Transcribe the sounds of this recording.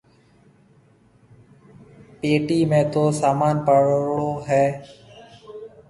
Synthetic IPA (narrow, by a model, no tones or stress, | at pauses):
peːʈiːmẽːt̪oːsaːmaːnpəɽɽoːɦɛː